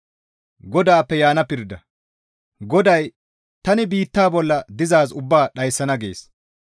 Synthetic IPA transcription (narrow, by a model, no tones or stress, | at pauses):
ɡɔd̪aːpːɛjaːnɐpɪɾd̪ɐ | ɡɔd̪ɐj | t̪ɐnɪbiːt̪ːaːbɔlːɐd̪ɪzaːsʊbːaːɗɐjsːɐnɐɡḛːs